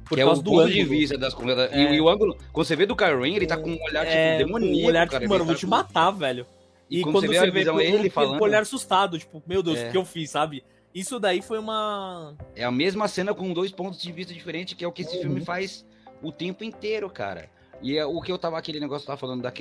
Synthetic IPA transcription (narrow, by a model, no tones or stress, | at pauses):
poɾkɪɛkawzɪd̪ʊ̃ɐ̃t̪ʊd͡ʒɪvvist̪ɐd̪ɐskõad̪ɐʊɐ̃ɡʊlʊkwɐ̃nd̪ʊs̬eved̪ʊkajɾẽelɪt̪akõũoʎaɾt͡ʃɛd̪emõnĩoʎaɾkamɐ̃nvowt͡ʃɪmat̪avɛʎʊ | ɪkɪkwɐ̃d̪ɐ̃nsed̪vesɐviezɐ̃w̃elɪfalɐ̃oʎaɾsust̪ad̪ʊt͡ʃi̥pʊmewd̪ewsɪewfisːabɪ | isʊd̪aifojũmɐ | ɛɐmezmɐsẽnɐkõd̪ojspõt̪ʊzd͡ʒɪvist̪ɐd͡ʒifeɾẽnt͡ʃɪ̥kɪɛʊkɪesɪfiwmɪfajz | ʊt̪ẽmpʊẽt̪eɾʊka̰ɾɐ̰ | ɪɛʊkɪewt̪avɐakelɪneɡɔsjʊ̥t̪avɐfalɐ̃nd̪ʊd̪ɐak